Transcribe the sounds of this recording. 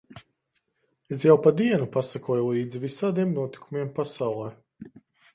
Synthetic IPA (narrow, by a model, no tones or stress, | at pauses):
es̬jawpad̪iɛnupasakuɔjulˠiːd̪zivisaːd̪iɛmnuɔt̪i̥kumiɛmpasawlˠɛː